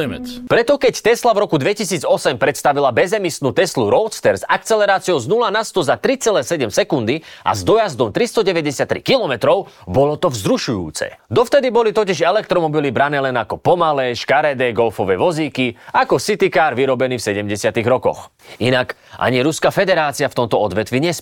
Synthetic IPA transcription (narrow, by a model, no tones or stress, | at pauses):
mɛt͡spɾɛt̪ɔkɛct̪ɛslavɾɔkud̪ʋɛcisiːd͡zɔsɛmpɾɛt̪st̪aʋilabɛzɛmisnuːt̪ɛsluɾɔʊst̪ɛɾzakt͡sɛlɛɾaːt͡siɔʊznulanast̪ɔzat̪ɾit͡sɛlɛːsɛɟɛmsɛkund̪iʔa̰zd̪ɔjazd̪ɔmt̪ɾist̪ɔɟɛʋɛɟɛsɪat̪ːɾḭkilɔmɛt̪ɾɔʊ | bɔlɔt̪ɔvzɾuʃujṵːt͡sɛ̰d̪ɔft̪ɛd̪ibɔlit̪ɔciʒɛlɛk̚t̪ɾɔmɔbilibɾanɛːlɛnakɔpɔmalɛːʃkaɾɛd̪ɛːɡɔlfɔʋɛːʋɔziːkiakɔsit̪ikaːɾʋiɾɔbɛniːfsɛɟɛmɟɛsɪat̪iɣɾɔkɔ̰x | inakʔa̰ɲiɾuskafɛd̪ɛɾaːt͡siaft̪ɔmt̪ɔɔd̪ʋɛt̪ʋiɲɛs